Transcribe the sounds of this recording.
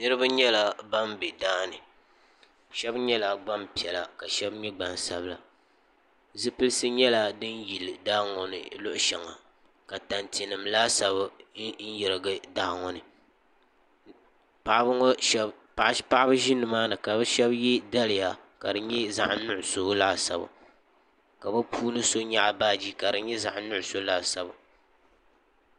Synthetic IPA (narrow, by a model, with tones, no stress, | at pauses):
nɨ˦ɾɨ˦ba˦ɲɛ˦la˨ba˦mbe˨daː˦nɨ˨ | ʃɛ˦bɲɛ˦la˨ɡ͡ba˦mpi˨ɛ˨la˨ka˨ʃɛ˦bɲɛ˦ɡ͡ba˨n˨sa˦bla̰˨ | zɨ˦pɨ˦lɨ˦sɨ˦ɲɛ˦la˦dɨ˦n˦ji˨lɨ˨daː˦ŋɔ˨nɨ̰˨lʊ˦ʔʊ˨˦ʃɛ˨ŋa̰˨ | ka˨ta˨nti˨nɨ˨mlaː˦sa˨βɨ˦n̩˦jɛ˨ɾɨ˨ɡɨ˦da˦hŋɔ˨nɨ˨ | pa˨ʔbɨ˦ŋɔ˦ʃ | pa˦ʔa˦bɨ˦ʒɪ˦nːɨ˨maː˦nɨ˨ka˨bɨ˦ʃɛ˦bjɛ˦da˦lɪ˨ja˨ka˨dɨ˨ɲɛ˦za̰˦ʔa˦nʊ˦ʔʊ˨so˦la˦˨sa˨ba̰˨ | ka˨bɨ˦pʰuː˦nɨ˦so˦ɲa˦ʔa˨baː˦d͡ʒi˦ka˨dɨ˨˦ɲɛ˦za˨ʔnʊ˦ʔʊ˨so˦la˦˨sa˦ba˨